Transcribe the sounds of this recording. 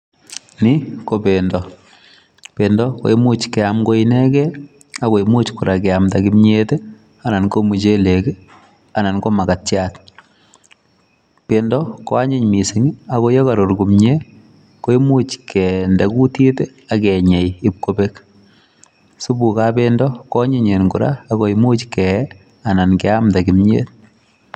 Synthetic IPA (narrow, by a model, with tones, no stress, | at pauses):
ni˦kopendɔ | pendɔko̰˦i˦mu˦t͡ʃkɛamɡo˦inɛ˦kɛ˦ | a˦ko˨imu˦t͡ʃkʊ˨ɾa˨kɛ˨amtakimɲete˦ | a˨na˨nko˦mu˨t͡ʃe˦leke˦ | a˨na˨nko˦ma˨ka˨tjat | pendɔkɔ˦a˦ɲɪ˦ɲmi˨sɪŋa˨ko˦jɔ˦kaɾo˨ɾɡu˨mɲe˦ | ko˦i˦mu˦t͡ʃkɛndɛ˨ku˦ti˦te˦ | akɛ˨ɲɛ˨jɪp̚kobe˦k | su˦bu˨kabe˦ndɔ˦kɔ˦ɲɪ˦ɲe˨nku˨ɾa̰ː˦ko˨imu˦t͡ʃkɛ | a˨na˨nkɛ˨amta˨kimɲḛ˦t